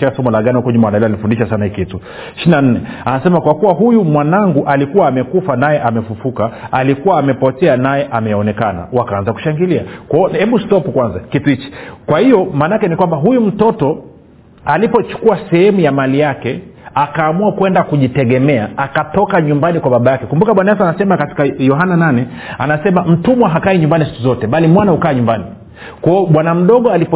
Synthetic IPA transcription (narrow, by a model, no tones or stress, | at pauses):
ɛasɔmɔlaɠaniukɔɲimandalialifundiʃasanahikitu | ʃinan̩nɛanasɛmakwakuwaɦujumwanaŋɡuʔalikuwaːmɛkufanajɛʔamɛfufukaalikuwaːmɛpɔtɛanajɛʔamɛjɔnɛkana̰wakaanzaku̥ʃaŋɡiliakɔhɛɓustɔpukwanzakituit͡ʃi̥kwahijɔmaːnakɛnikwambaɦujum̩tɔtɔ | alipɔt͡ʃu̥kuasɛhɛmujamalijakɛakaːmuakwɛndakuʄitɛɠɛmɛaakatɔkaɲumbanikwaɓaɓajakɛkumbukaɓwanaas̬anasɛmakati̥kajɔɦanananɛ | a̰nasɛmam̩tumwaɦakaiɲumbanisi̥kuzɔtɛɓalimwanahukaːɲumbani | kwaɔɓwanam̩ɗɔɠɔalipɔ